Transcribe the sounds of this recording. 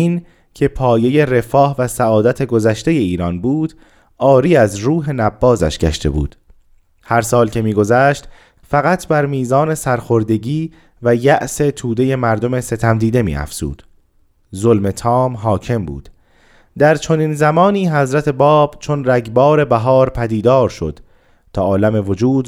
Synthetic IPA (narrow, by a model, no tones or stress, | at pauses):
in | cʰe̞pʰɒːje̞je̞ɾe̞fɒːhvæsæɒːd̪æt̪ʰe̞ɡozæʃt̪e̞je̞iːɾɒːnbuːd̪̥ | ʔɒːɾiːæzɾuːɦe̞næbːɒːzæ̰ʃɡɟæ̰ʃt̪e̞̰bṵːd̪̥ | hæɾsɒːlcʰe̞miːɡo̞zæʃt̪ | fæɣæt̪ʰbæɾmiːzɒːne̞sæɾxoɾd̪e̞ɟiː | væjæʔse̞t̪ʰuːd̪e̞je̞mæɾd̪o̞me̞se̞t̪ʰæmd̪iːd̪e̞mḭːæ̰fz̥ṵːd̪̥ | zolme̞t̪ʰɒːmɦɒːcʰe̞mbṵːd̪̥ | d̪æɾt͡ʃʰo̞ninzæmɒːniːɦæzɾæt̪ʰe̞bɒːb̥t͡ʃʰo̞nɾæɟbɒːɾe̞bæɦɒːɾpʰæd̪iːd̪ɒːɾʃo̞̰d̪̥ | t̪ʰɒːʔɒːlæme̞vo̞d͡ʒuːd̪